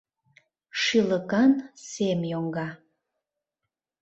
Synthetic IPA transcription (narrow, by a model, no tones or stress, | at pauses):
ʃiləkɑnsemjoŋɡɑ